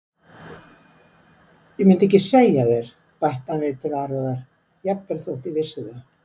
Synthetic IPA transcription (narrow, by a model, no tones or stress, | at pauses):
jɛmɪnt̪ɛhcːɪseːjaðɛɾ̥ | pajht̪anvɪðt̪ʰɪlaɾaðaɾ̥ | jɛpvɛɾθowl̥t̪ivɪsɪða